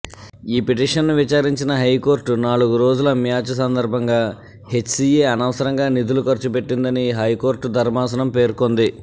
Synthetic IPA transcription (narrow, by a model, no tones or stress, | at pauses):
iːpeʈ̬iːʂɐnːuʋit͡ʃaːɾiɲt͡ʃinɐɦɐjko̞ːɾʈunaːɭuɡuɾo̞ːd͡ʒulɐmjaːt͡ʃɐs̬ɐnd̪ɐɾbʱɐŋɡaː | he̞t͡ʃsieːɐnɐʋɐsɐɾɐŋɡaːnid̪ulukɐɾt͡ʃupe̞ʈːind̪ɐniɦɐjko̞ːɾʈd̪ʱɐɾmaːsɐnɐmpe̞ːɾko̞nd̪i